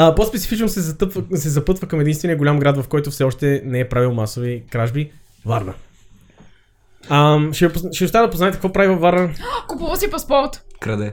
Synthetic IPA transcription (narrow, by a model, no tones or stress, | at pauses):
əpɔspɛt̪si̥fit͡ʃnosɛɐt̪vsɛzɐpɤt̪vəkɐmɛd̪inst̪vɛnijəɡoʊlʲamɡɾad̪vɐfkɔjt̪ʊfsɛɔʃt̪ɛnɛɛpɾavilˠmasovikɾaʒbi | vaɾnə | əmʃɛpʃɛʊst̪aəd̪ɐpoznaɛt̪ɛkvɔpɾavivɐfvaɾnəkupuvəsipɐspɔɾt̪kɾɐd̪ɛ